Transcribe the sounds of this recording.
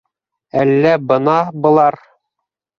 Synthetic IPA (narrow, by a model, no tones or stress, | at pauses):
ælːæbɤ̆nɑbɤ̆lˠɑɾ